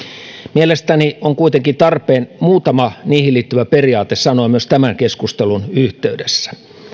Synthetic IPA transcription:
mielest̪æniʔoŋkuit̪eŋkit̪ɑrpeːnmuːt̪ɑmɑniːhiliːt̪ːyʋæperiɑːt̪essɑnoimyøst̪æmæŋkeskust̪elunyht̪eydesːæ̥

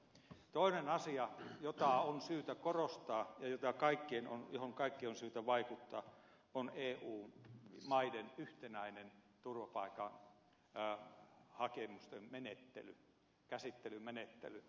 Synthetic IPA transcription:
t̪oˑinenɑsiɑjot̪ɑonsyːt̪ækorost̪ɑːjɑjot̪ɑkɑikːieno̰njohoŋkɑikːionsyːt̪æʋɑikut̪ːɑ̰ː | oneːuːmɑidenyht̪enæinen | t̪urʋɑpɑˑikɑ̰n | hɑkemust̪emmenet̪ːḛly̰ | kæsit̪ːelymenet̪ːḛly

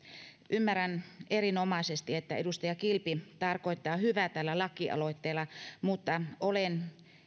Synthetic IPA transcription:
ʔymːærænerinomɑisest̪iet̪ːæedust̪ɑjɑkilpit̪ɑrkoit̪ːɑːhyʋæt̪ælːælɑkːˑiʔɑ̰loit̪ːeːlːɑmut̪ːɑolen

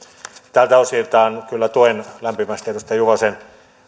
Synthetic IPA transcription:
t̪ælt̪æosit̪ɑːnkylːæt̪oenlæmpimæst̪et̪ust̪ɑjuʋɑsen

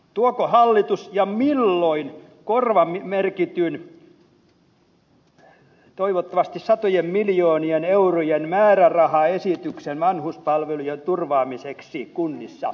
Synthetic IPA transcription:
t̪uokohɑlːit̪usjɑmilːoinkorʋɑmimerkit̪yn | t̪oiʋot̪ːɑʋɑst̪issɑt̪ojemmiljoːnieneurojenmæːrærɑhɑesit̪yksenʋɑnhuspɑlʋelujent̪urʋɑːmiseksikunːisːɑ

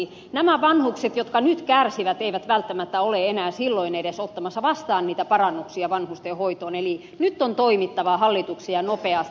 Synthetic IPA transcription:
næmæʋɑnhukset̪jot̪kɑnyt̪kærsiʋæt̪eiʋæt̪ʋælt̪ːæmæt̪ːæoleenæːsilːoinedesot̪ːɑmɑsːɑʋɑst̪ɑːnniːt̪æpɑrɑnːuksiɑʋɑnhust̪ehoit̪oːneli | nyt̪ːont̪oimit̪ːɑʋɑhɑlːit̪uksijɑnopeɑs

